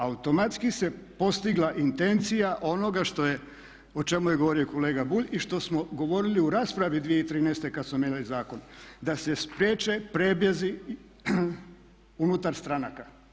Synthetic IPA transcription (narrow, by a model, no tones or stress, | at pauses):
aut̪o̞mat̪skise̞po̞st̪iɡlˠaʔint̪e̞nt̪sijaʔo̞no̞ɡaʃt̪o̞je | ot͡ʃe̞mujeɡo̞ʋo̞ɾioko̞le̞ːɡabuʎiʃt̪o̞smo̞ɡo̞ʋo̞ɾiliuɾaːspɾaʋid̪ʋijeit̪ɾiːnest̪e̞kad̪smomeɲalizaːko̞nd̪ase̞spɾjeːt͡ʃe̞pɾebjezi | unut̪aɾst̪ɾanaka